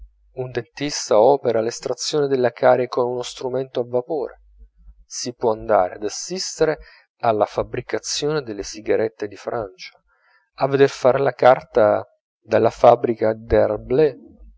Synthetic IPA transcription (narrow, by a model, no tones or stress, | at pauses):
und̪ent̪ist̪aɔːpeɾalest̪ɾat̪sːjoːned̪elːakaːɾekonunost̪ɾumɛnt̪oavːapoːɾe | sipwɔand̪a̰ːɾḛad̪asːist̪eɾe | alːafabɾikat̪sːjoːned̪elːesiɡaɾɛt̪ːed̪ifɾʔant͡ʃḁ | avːed̪erfaːɾelakart̪a | d̪alːafabːɾikad̪earble